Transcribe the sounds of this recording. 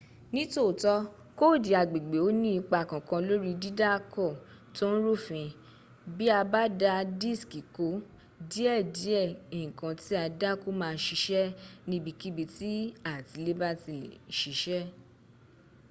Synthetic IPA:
nĩ˦to˦˨tɔ˧˦ | ko˦˨di˨a˨ɡ͡be˨ɡ͡be˨˦o˦nĩ˦i˧k͡pa˧˨kã˨kã˧lo˦ɾi˦di˦da˦kɔ˦˨ | to˦n̩˦ɾo˦˨fĩ˧ | bi˦a˧ba˦da˧di˦˨ski˨ko˨˦ | di˦ɛ˦˨di˨˦ɛ˦˨ĩ˨kã˧ti˦a˧da˦ko˦mãː˦˧n̩˦ʃi˧˦ʃɛ˦nĩ˧˦bi˧ki˦bi˧ti˦a˦˨ti˧le˦ba˦ti˨ḛ˨ʃi˨˦ʃɛ˦

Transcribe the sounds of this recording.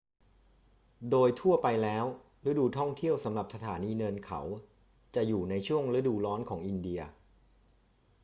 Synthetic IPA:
doː˧jt̪ʰu˥˩ɐpa˧jlɛː˦˥w | ɾa˦˥duː˧˩t̪ʰɔ˥˩ŋt̪ʰi˥˩əwsa˩˦mla˨˩p̚sa˧t̪ʰaː˩˦niː˧nɤː˧nkʰa̰˩˦w | t͡ɕa˨˩juː˨˩na˧jt͡ɕʰu˥˩əŋɾa˦˥duː˧˨˩lɔː˦˥nkʰɔː˩˦ŋʔi˧ndi˧ɐ

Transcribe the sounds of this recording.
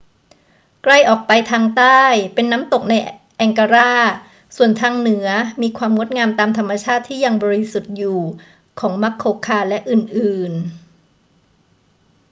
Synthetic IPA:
kla˥˩jʔɔː˨˩k̚pa˧jt̪ʰaː˧ŋt̪aː˥˩jpe˧nːaː˦˥mt̪o˨˩k̚na˧j | ʔɛ˨˩ŋka˧ɾaː˥˩ | su˨˩ənt̪ʰaː˧ŋnɯ˨˩˦ɐmiː˧kʰwaː˧mŋo˦˥t̪̚ŋaː˧mt̪aː˧mt̪ʰa˧mːa˧t͡ɕʰaː˥˩t̪ʰːiː˥˩ja˧ŋbɔː˧ɾi˦˥su˨˩t̪̚juː˨˩ | kʰɔː˩˦ŋma˦˥kʰːoː˧kʰaː˧lɛ˦˥ʔɯː˨˩nʔɯː˨˩n

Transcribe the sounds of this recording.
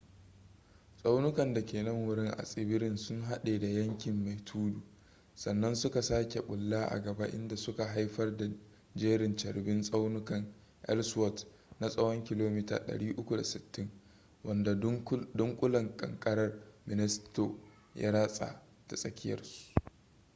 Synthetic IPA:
sʼa˦wnʊ˦kɐ˨nda˨kʲeː˨nɐ˦ŋwʊ˨ɽɪ˦ŋʔa̰˨sʼɪ˦bɪ˦ɾɪ˦nsʊ˦ŋɦa˦ɗeː˨da˨jɐ˦ŋkʲɪ˨mːa˨jtʰuː˦duː˨ | sɐ˨nːɐ˦nsʊ˦ka˨saː˦kʲe˨ɓʼʊ˨lːaː˦ʔa̰˨ɡɐ˨ba˦ʔɪ̰˦nda˨sʊ˦ka˨ɦa˦jɸɐ˦rda˨ | d͡ʒeː˦ɾɪ˨nt͡ʃɐ˨rbɪ˦nsʼa˦wnʊ˦kɐ˨ŋ | ʔɛ̰˦lswɔ˦t | na˦sʼɐ˦wɔ˦ŋkʲɪ˨loː˦miː˦ta̰ː˨ɗɐ̰˨ɽiː˦ʔʊ˦kʷu˨da̰˨sɪ˨tːɪ˦ŋ | wɐ˦nda˨dʊ˦ŋkʷʼʊ˦lɐ˨ŋkʼɐ̰˨ŋkʼɐ˦ɾɐ˦rmɪ˨nɪ˦sto˨ | jʔa̰˦ɽa˦sʼa̰ː˨ | ta˨sʼɐ˦kʲɪ˦jɐ̰˨rsu̥˦

